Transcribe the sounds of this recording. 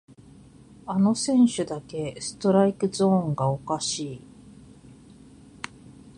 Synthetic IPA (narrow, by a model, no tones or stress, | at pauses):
ano̞sẽ̞ɰ̃ɕɨd̪ake̞sɨ̥t̪o̞ɾaikɯ̟zõ̞ːŋɡao̞kaɕiː